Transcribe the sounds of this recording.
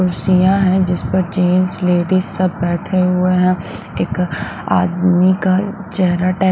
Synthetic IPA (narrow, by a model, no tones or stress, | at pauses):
ʊɾsijãɦɛ̃d͡ʒɪspɐɾd͡ʒeːnsleːɖizsɐbːɛːʈʰeɦʊeɦɛ̃ | eːka̰ːd̪mikat͡ʃɛɦɾaʈɛː